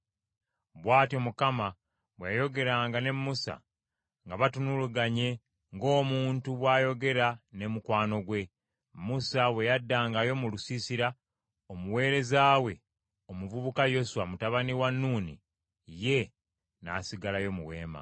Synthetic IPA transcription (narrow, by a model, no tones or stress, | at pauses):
βwaːtio̞mukama | βwejajo̞ɡe̞ɾaːŋɡane̞mːusa̰ | ŋɡaβatunuluɡaɲe̞ | ŋɡo̞ːmuːntuβwaːjo̞ɡe̞ɾane̞mukwaːno̞ɡwe̞ | mːusawe̞jadːaːŋɡajo̞mulusisiɾa | omuwe̞ːɾe̞zaːwe̞ | omuvuβukajo̞suwamutaβaniwanːuːnḭ | je̞ | na̰siɡalajo̞muwe̞̰ːma̰